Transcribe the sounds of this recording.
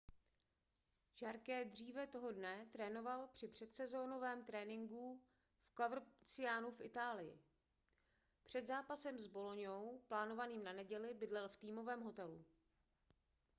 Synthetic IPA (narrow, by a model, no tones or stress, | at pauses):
ʒaɾkɛd̪r̝iːvɛt̪o̞ɦo̞dnɛt̪ɾɛːno̞valpr̥ɪpr̝̥ɛt̪sɛzo̞ːno̞vɛːmt̪ɾɛːnɪŋɡu | fkavɾot͡sɪaːnufʔɪt̪aːlɪjɪ̰ | pr̝̥ɛd̪zaːpasɛmzbo̞loɲowplaːno̞vaniːmnanɛɟɛlɪbɪdlɛlft̪iːmo̞vɛːmɦo̞t̪ɛlu